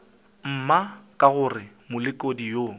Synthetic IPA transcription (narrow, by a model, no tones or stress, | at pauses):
m̩makʼaɣʊrɪ | mʊlɪkʼodijoː